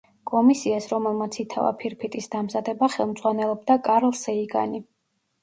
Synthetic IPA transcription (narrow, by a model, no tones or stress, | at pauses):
kʼɔmisiasɾɔmɛlˠmat̪sʰit̪ʰa̰va̰pʰiɾpʰit̪ʼisd̪̥amzad̪ɛbaχɛlˠmd̪zʼwanɛlˠɔb̚d̪akʼaɾlˠsɛiɡa̰ni